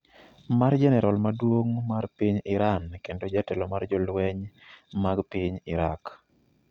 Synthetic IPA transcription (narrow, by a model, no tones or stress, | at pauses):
mard͡ʒɛnɛɾɔlmadwoŋmarpiɲɪɾankendod͡ʒatɛlɔmard͡ʒɔlwɛɲmaɡpiɲɪɾak